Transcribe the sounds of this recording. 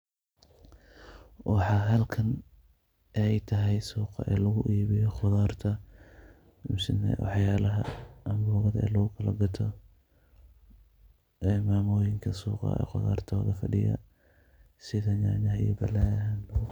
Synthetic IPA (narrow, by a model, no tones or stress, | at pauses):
wʔɑħɑːɦɐlkʰɐn | ʔɛjt̪ʰɐɦɛjsuːqɑ̰ʔɛːlɐɣʊʔiːβɪjɔχʊðaːrt̪ʰɐ | ʊmsɪnɛ̰wʔɑ̰ħjaːlɐɦɐʔɐmbɔːɣɐðɐɛ̰ːlɐɣʊkʰɐlɐɡɐt̪ʰɔ | ɛːmaːmɔːjɪŋkʰɐsṵːqɑ̰ɛ̰ːχʊða̰ːrt̪ʰɔːðɐfɐɖɪjɐ̰ | sɪðɐɲaːnɐɦɐḭjɐbɐlːaːðɐɦɐnlɐ